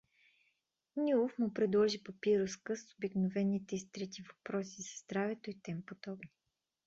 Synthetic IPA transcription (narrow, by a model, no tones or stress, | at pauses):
nʲuofmʊpɾɛd̪lˠɔʒipopiɾoskəsobiknovɛnːit̪ɛist̪ɾɛt̪ivɐpɾɔsizɐzd̪ɾavɛt̪oit̪ɛmpod̪ɔbni